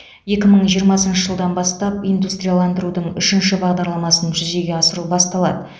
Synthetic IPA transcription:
je̞kʲɪməɴʒijəɾmɑsənʃəʒəlˠd̪ɑnbɑst̪ɑp̚ijnd̪ust̪rʲijalˠɑnd̪əɾud̪əɴʏʃɪnʃɪbɑʁd̪ɑɾlˠɑmɑsənʒʏze̞ɡʲe̞ɑsəɾubɑst̪ɑlˠɑ̰d̪ə

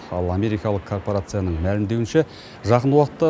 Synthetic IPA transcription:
ɑlˠɑme̞ɾijkɑlˠəqkʰːo̞rpo̞ɾat̪sɨjanəɴmælɪmd̪e̞wɪnʃe | ʒɑqənwɑqət̪ːə

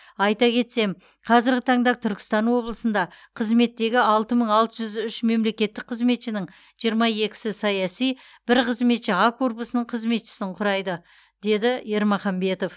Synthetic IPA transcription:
ɑjt̪ɑkʲʰe̞t̪se̞m | qʰɑzɪɾɡʲɪt̪ʰɑɴd̪ɑt̪ʰʏɾkʲɪ̥st̪ɑnwo̞blˠəsənd̪ɑqʰəzme̞t̪ːe̞ɡʲɪɑlˠt̪əməɴɑlˠt̪əʒʏzʏʃme̞mle̞kʲe̞t̪ːɪk̚qʰəzme̞t̪ʃɪnɪŋ | ʒ̥ijəɾmɑje̞kʲɪ̥sɪsɑjɑsij | b̥ɪɾqʰəzme̞t̪ʃɪakʰo̞rpusənəɴqʰəzme̞t̪ʃɪ̥sɪɴqʰʊɾɑjd̪ə | d̪̥e̞d̪ɪje̞ɾmɑχɑmbe̞t̪o̞f

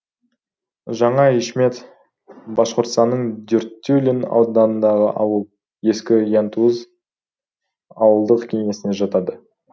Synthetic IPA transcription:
ʒɑɴɑiʃme̞t̪ | bɑʃqʊɾt̪st̪ɑnːəɴd̪ʏɾt̪ʲːulʲinɑ̰wd̪nd̪ɑnənd̪ɑʁə̰ʔɑwəlˠ | je̞skʲɪjɑnt̪uəz | ɑwəlˠd̪əqkʲʰe̞ŋe̞sɪne̞ʒɑt̪ɑd̪ə

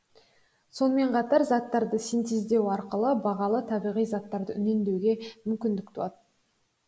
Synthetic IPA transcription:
so̞nəme̞ɴqʰɑt̪ɑɾzɑt̪ːɑɾd̪əsint̪ezd̪e̞wɑɾqəlˠəbɑʁɑlˠət̪ʰɑbijʁijzɑt̪ːɑɾd̪əʏne̞nd̪e̞wɡʲe̞mʏmkʲɪnd̪ɪk̚t̪ʰuɑt̪ə

